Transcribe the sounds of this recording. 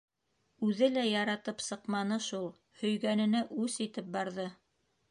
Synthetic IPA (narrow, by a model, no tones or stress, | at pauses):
ʉðɘlæjɑɾɑt̪ɤpsɤ̆qmɑnɤʃulˠ | hɵ̆jɡænɘ̆næʔʉsit̪ɘp̚bɑɾðɤ